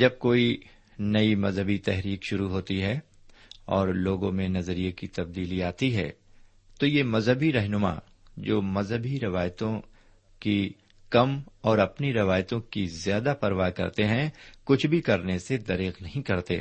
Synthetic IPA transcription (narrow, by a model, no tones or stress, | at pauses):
d͡ʒɐb̚koːi | nɐimɐzɦəbit̪ɛɦɾiːkʃʊɾuɦoːt̪iɦɛ | ɔːɾloːɡõmẽnɐzəɾiekit̪ɐb̚d̪iːliaːt̪iɦɛ̰ː | t̪ojemɐzɦəbiɾɛɦnʊma̰ː | d͡ʒoːmɐzɦəbʱiɾɪʋaːjt̪õ | ki | kɐmɔːɾɐpniɾɪʋaːjt̪õkizjaːd̪apɐɾʋakɐ̰ɾt̪eɦɛ̃kʊt͡ʃʰbʱikɐɾnesed̪ɐɾiːqnɐɦĩkɐɾt̪ḛː